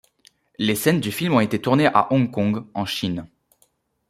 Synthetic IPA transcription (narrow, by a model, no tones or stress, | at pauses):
lesɛnd̪yfilmɔ̃et̪et̪uʁneʔa̰ʔɔ̃kɔ̃ɡɑ̃ʃin